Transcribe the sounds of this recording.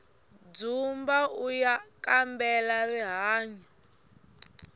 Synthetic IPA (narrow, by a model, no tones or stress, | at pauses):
d͡zumbaujakambɛlariɦaːɲɔ